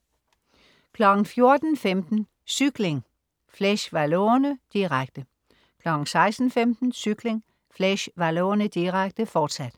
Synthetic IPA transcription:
kʰlɒɡ̥ŋ̩fjo̝ɐd̥n̩femd̥n̩ | syɡ̥leŋ | fleɕʋæloɐnəd̥iʁaɡ̥̚d̥ə | kʰlɒɡ̥ŋ̩sɑ̈ɪsd̥n̩femd̥n̩syɡ̥le̝ŋ | fleɕʋæloːɐnəd̥iʁaɡ̥̚d̥əfɒːd̥sæd̥

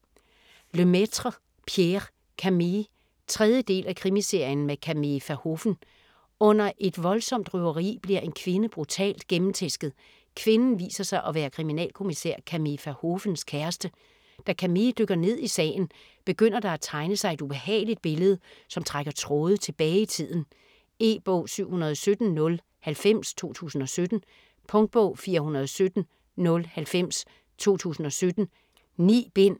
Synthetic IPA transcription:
lømet͡sʰʁɐ | pʰjeʁ | kʰæmi | t͡sʰʁɛð̞ˠjəd̥e̝̰ːlækʰʁimise̝ɐ̰jən̩mekʰæmefæho̝fn̩ | ɔ̽n̰ɐʔe̝d̥ʋɒ̽lsɒ̽m̰d̥ʁyɐʁḭːb̥liɐʔe̝nkʰʋe̝nəb̥ʁut͡sʰɛ̰ːld̥ɡ̥emm̩t͡sʰesɡ̥ð̩ˠ | kʰʋe̝nn̩ʋḭːsɐsɑ̈ɪʔɒ̽ʋæːɐkʰʁiminɛ̰ːlkʰo̝misæ̰ɐ̰kʰæmifæɐhofn̩skʰæɐsd̥ə | d̥ækʰæmid̥øɡ̥ɐne̝ð̞̰ˠisɛ̰ːɪn̩ | b̥e̝ɡ̥øn̰ɐd̥ɑ̈æt͡sʰɑ̈ɪnəsɑ̈ɪe̝d̥ub̥e̝hɛ̰ːɪlid̥̚b̥e̝ləð̩ˠsɒ̽mt͡sʰʁaɡ̥ɐt͡sʰʁɔːð̞̩ˠət͡sʰe̝b̥ɛːɪit͡sʰið̰ˠn̩ | e̝̰ːb̥ɔ̰ːsyʊ̰hunɐð̞ˠɒsød̥n̩nɔ̽l | hælfem̰st͡sʰo̝̰ːt͡sʰṵːsn̩ɒ̽sød̥n̩ | pʰɔ̽ŋd̥̚b̥ɔ̰ːfiːɐhunɐð̞ˠɒsød̥n̩ | nɔ̽lhælfem̰s | t͡sʰo̝̰ːt͡sʰṵːsn̩ɒ̽sød̥n̩ | nḭːb̥e̝n̰

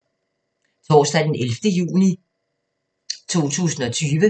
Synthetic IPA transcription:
t͡sʰɒ̰ːsd̥æd̥enelfd̥əjṵːni | t͡sʰo̝̰ːt͡sʰṵːsn̩ɒ̽t͡sʰyːʋə

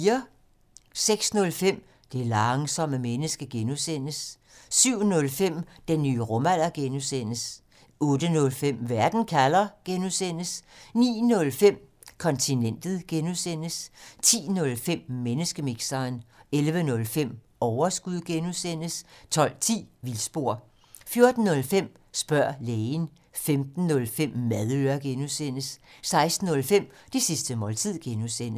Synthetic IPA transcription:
ɐ | seɡ̥snɔ̽lfem̰ | d̥e̝lɑ̈ŋsɒ̽məmenəsɡ̥əɡ̥enusen̰əsː | yʊ̰nɔ̽lfem̰d̥enːy̰ːʁɔ̽mæl̰ɐɡ̥enusen̰əs | ɔ̽ːd̥ənɔ̽lfem̰ʋæɐd̥n̩kʰælɐɡ̥enusen̰əsnḭːnɔ̽lfem̰ | kʰɒ̽nt͡sʰinen̰d̥ð̩ˠɡ̥enusen̰əst͡sʰḭːnɔ̽lfem̰menəsɡ̥əmiɡ̥sɐːnelʋənɔ̽lfem̰ | ɒʊɐsɡ̥uð̰ˠɡ̥enusen̰əst͡sʰɒ̽l̰t͡sʰḭːʋilsb̥o̝ɐ̰ | fjo̝ɐd̥n̩ːɔ̽lfem̰ | sb̥ɶɐ̰leːn | femd̥n̩ːɔ̽lfem̰mæðˠøːɐɡ̥enusen̰əsːɑ̈ɪsd̥n̩ɔ̽lfem̰d̥isisd̥əmɒ̽lt͡sʰið̰ˠɡ̥enusen̰ə

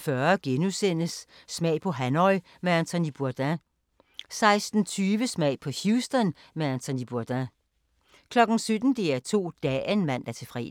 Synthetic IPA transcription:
fɶɐɡ̥enusen̰əsː | mɛ̰ɪ̰pʰɒ̽ɦænɒɪ | meænt͡sʰɔnib̥uɐd̥æ | sɑ̈ɪsd̥n̩t͡sʰyːʋəsmɛ̰ɪpʰɒ̽hjuːsd̥ɔn | meænt͡sʰonib̥uɐd̥æ | kʰlɒ̽ɡ̥n̩sød̥n̩d̥e̝æɐt͡sʰo̝̰ːd̥ɛ̰ːenmæn̰d̥æɐt͡sʰe̝fʁɛ̰ː

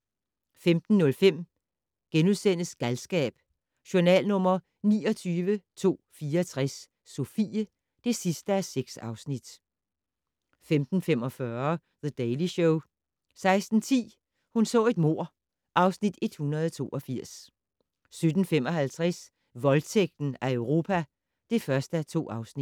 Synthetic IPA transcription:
femd̥n̩ːɔ̽lfem̰ | ɡ̥enuðˠsen̰əsɡ̥ælsɡ̥ɛ̰ːb̥ | ɕonɛ̰ːlnɔ̽m̰ɐ | nḭːɒ̽t͡sʰyːʋət͡sʰo̝̰ːfiːɐɒt͡sʰʁɛsː | o̝fḭːə | d̥e̝sisd̥əæseɡ̥sɑ̈ʊsnid̥ | femd̥n̩fem̰ɒ̽fɶɐ | ðəd̥eɪliɕoʊ | sɑ̈ɪsd̥n̩t͡sʰḭː | hunsɔ̰̽ːe̝d̥mo̝ɐ̰ | ʔɑ̈ʊsnid̥e̝d̥hunɐðˠɒt͡sʰo̝̰ːʔɒ̽fiɐ̰s | sød̥n̩fem̰ɒ̽ɦælt͡sʰʁas | ʋɒ̽lt͡sʰeɡ̥̚d̥n̩æœʊʁo̝ːpʰæ | d̥e̝fɶɐsd̥əæt͡sʰo̝̰ːɑ̈ʊsni̥

